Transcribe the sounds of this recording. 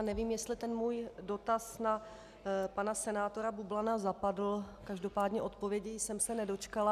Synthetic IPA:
nɛviːmjɛst̪lɪt̪ɛnmuːjdo̞t̪asna | panasɛnaːt̪o̞ɾabublanazapadl̩kaʒdo̞paːdɲɛʔo̞t̪po̞vjɛɟɪjsɛmsɛnɛdo̞t͡ʃkala

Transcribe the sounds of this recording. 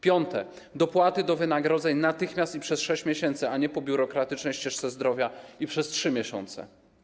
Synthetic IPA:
pʲjɔnt̪ɛ | d̪ɔpwat̪ɘd̪ɔvɘnaɡɾɔd̪zɛɲnat̪ɘxmʲjast̪ipʂɛsʂɛɕt͡ɕmʲjɛɕɛnt̪sɘaɲɛpɔbʲjuɾɔkɾat̪ɘt͡ʂnɛjɕt͡ɕɛʂt̪sɛzd̪ɾɔvʲjaipʂɛstʂɘmʲjɛɕɔ̰nt̪sɛ̰

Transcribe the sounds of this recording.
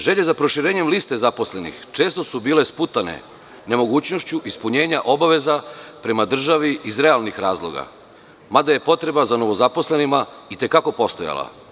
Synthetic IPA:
ʒe̞ʎe̞zapɾo̞ʃiɾeːɲe̞mliːst̪e̞zapo̞sle̞nḭxt͡ʃeːst̪o̞subiːle̞sput̪anḛ | ne̞mo̞ɡuːt͡ɕno̞ʃt͡ɕuʔispuɲe̞ːɲaʔo̞baʋe̞zapɾe̞mad̪r̩ʒaʋiizɾe̞alˠnixɾaːzlˠo̞̰ɡa̰ | mad̪aje̞po̞t̪ɾe̞bazano̞ʋo̞zapo̞slenima | it̪e̞kako̞po̞st̪oja̰la̰

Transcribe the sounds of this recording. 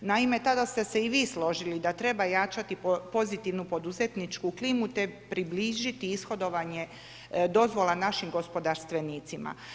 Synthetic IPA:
naime̞t̪ad̪ast̪e̞se̞iʋiːslo̞ʒilid̪at̪ɾe̞bajaːt͡ʃat̪ipo̞zit̪iʋnupo̞d̪uze̞t̪nit͡ʃkuklimut̪e̞pɾibliːʒit̪iisxo̞d̪o̞ʋaɲe̞ | d̪o̞zʋo̞lˠanaʃimɡo̞spo̞d̪aɾst̪ʋe̞niːt̪sima̰

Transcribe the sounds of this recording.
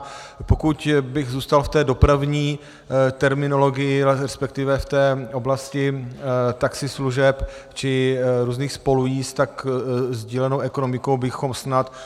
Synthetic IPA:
pokucbɪɣzuːst̪alft̪ɛːdo̞pɾavɲiː | t̪ɛɾmɪno̞lo̞ɡɪjɪɾɛspɛk̚t̪ɪvɛft̪ɛːʔo̞blascɪt̪aksɪsluʒɛpt͡ʃɪɾuːzniːxspo̞lujiːst̪akzɟiːlɛnowʔɛko̞nomɪkowbɪxo̞msnat̪

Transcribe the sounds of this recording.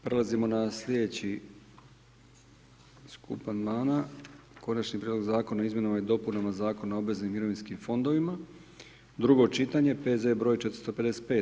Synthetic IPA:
pɾe̞lˠazimo̞naslʲe̞d̪e̞t͡ɕi | skʰṵpanmaːnako̞nat͡ʃnipɾied̪lo̞ɡzaːko̞naizmje̞namajid̪o̞punamazaːko̞nao̞bʋe̞znimːiɾo̞ʋinskimfo̞nd̪o̞ʋima | d̪ɾuɡo̞t͡ʃit̪aɲe̞pe̞zebɾojt͡ʃet̪ɾst̪ope̞d̪e̞set̪peː

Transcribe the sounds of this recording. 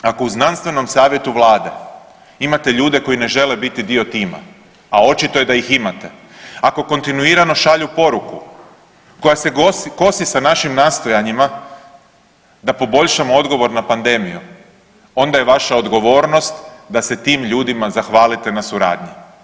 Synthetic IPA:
ako̞uznanst̪ʋe̞no̞msaːʋjet̪uʋlˠaːd̪e̞ | imat̪e̞ʎuːd̪e̞ko̞jine̞ʒe̞le̞bit̪id̪io̞t̪iːma̰ | ao̞t͡ʃit̪oje̞d̪ajiximat̪e̞ | ako̞ko̞nt̪inuiːɾano̞ʃaʎupo̞ɾuku | ko̞jaseoko̞sisanaʃimnaːst̪o̞jaɲima | d̪apo̞bo̞ʎʲʃamoo̞d̪ɡo̞ʋo̞ɾnapand̪e̞miju | o̞nd̪ajeʋaʃao̞d̪ɡo̞ʋo̞ːɾno̞st̪d̪ase̞t̪iːmʎuːd̪imazaxʋaːlit̪e̞nasuɾa̰ːd̪ɲi

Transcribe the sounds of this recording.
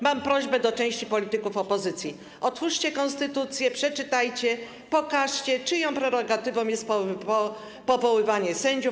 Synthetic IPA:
mampɾɔʑbɛd̪ɔt͡ʂɛ̃w̃ɕt͡ɕipɔlʲit̪ɘkufɔpɔzɘt̪sʲji | ɔt̪fuʂt͡ɕɛkɔ̃ñst̪ɘt̪ut̪sʲjɛpʂɛt͡ʂɘt̪ajt͡ɕɛ | pɔkaʂt͡ɕɛt͡ʂɘjɔ̃w̃pɾɛɾɔɡat̪ɘvɔ̃w̃jɛst̪p | pɔvɔwɘvaɲɛsɛɲd͡ʑuf

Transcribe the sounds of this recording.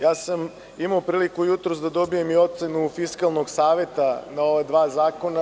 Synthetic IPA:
jaːsam | imaopɾiːlikujut̪ɾosd̪ad̪o̞bijemio̞t̪se̞nufiskalˠnoɡsaːʋe̞t̪anao̞ʋad̪ʋaːzaːko̞na

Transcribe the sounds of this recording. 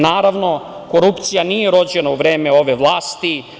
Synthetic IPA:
naːɾaʋno̞ko̞ɾupt̪sijanijeɾo̞d͡ʑenauʋɾe̞ːmeo̞ʋeʋlˠaːst̪i

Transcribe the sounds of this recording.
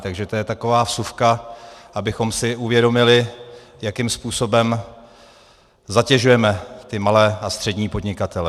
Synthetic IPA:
t̪aɡʒɛt̪ojɛt̪ako̞vaːfsufkaʔabɪxo̞msɪʔuvjɛdo̞mɪlɪ | jakɪmspuːso̞bɛm | zacɛʒujɛmɛt̪ɪmalɛːast̪r̥ɛdɲiːpo̞dɲɪkat̪ɛlɛ

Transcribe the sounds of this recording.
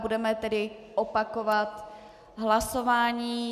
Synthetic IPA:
budɛmɛt̪ɛdɪʔopako̞vat̪ | ɦlaso̞vaːɲiː

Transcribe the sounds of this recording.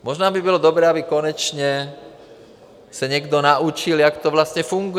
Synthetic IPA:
mɔʒnɔːbibɔlɔd̪ɔbɾɛːabikɔɲɛt͡ʃɲɛ | saɲɪɛɡd̪ɔnaʔut͡ʃilakt̪ɔʋlasɲɛfuŋɡu

